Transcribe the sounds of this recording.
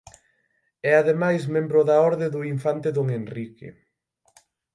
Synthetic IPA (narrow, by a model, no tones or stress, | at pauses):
ɛaðemajsmẽmbɾʊðɐɔɾðeðʊiɱfant̪eðoŋenrikḛ